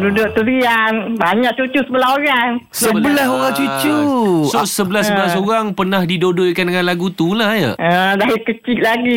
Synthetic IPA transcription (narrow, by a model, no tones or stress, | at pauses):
dudoʔt̪uɾianbaɲaʔ̚t͡ʃut͡ʃusəbəlaɦoɣaŋsəbəlaɦoɣaŋt͡ʃut͡ʃuosəbəlasəbəlasoɣaŋpərnahdidodoʔkandəŋanlaɡut̪ulahjə̰ʔədaikət͡ʃiʔ̪̚laɡi